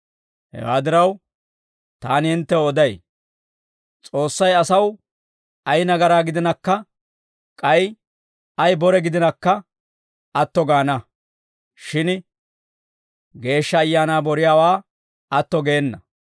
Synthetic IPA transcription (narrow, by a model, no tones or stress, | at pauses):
hɛ̰wa̰ːd̪ɪɾɐw | t̪aːnɪɪnt̪ːɛɔd̪ɐj | t͡sʼo̞ːsːɐjɐsɐw | ɐjnɐɡɐɾaːɡɪd̪ɪnɐkːɐ | kʼɐj | ɐjbɔɾɛɡɪd̪ɪnɐkːɐ | ɐt̪ːɔɡaːnɐ | ʃɪn | ɡe̞ːʃːɐːjːaːnaːbɔɾɪjaːwaː | ɐt̪ːɔɡe̞ːnːɐ